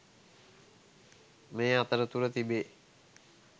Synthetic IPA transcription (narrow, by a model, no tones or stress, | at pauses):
meːat̪əɾət̪uɾət̪ibeː